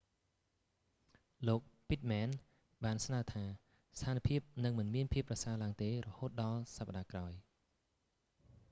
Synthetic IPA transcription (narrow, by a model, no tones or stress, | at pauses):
loːk̚pit̪̚mɛːn | ɓaːnsnaət̪ʰaː | st̪ʰaːnipʰiəp̚nɨŋmɨnmiənpʰiəpːrɑsaəlaəŋt̪eːrɔhoːt̪̚ɗɑlsapːaɗaːkraɔj